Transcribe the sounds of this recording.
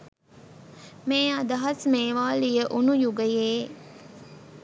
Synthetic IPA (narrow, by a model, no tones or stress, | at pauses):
meːɐd̪ɐɦɐsmeːʋaːlijəʔunujuɡəjeː